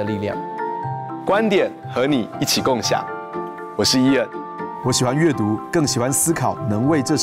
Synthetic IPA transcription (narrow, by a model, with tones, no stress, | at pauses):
ə˨li˥˨lja̰˥˩ŋ | kwa˦nt̪jɛ˨˩n | xɤ˧˥ni˨˩i˥˩t͡ɕʰi˨˩kʊ˥˧ŋɕja̰˥˨˩ | wɔ˨˩ʂɻ̩˥˩i˥ə˥˨n | wɔ˨˦ɕi˨˩xwa˦nɥɛ˥˩t̪u˨˥˦kɤ˥˩ŋɕi˨˩xwa˦nsɹ̩˥kʰɑ˨˩ʊnɤ˧˦ŋwe˥˧ɪʈ͡ʂɤ˥˧